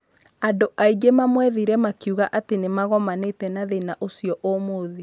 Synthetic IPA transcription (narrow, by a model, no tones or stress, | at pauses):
adoʔaiɡemamwɛðiɾɛmakiuɣaʔatenemaɣɔmanetɛnaðenaʔosijɔʔomoði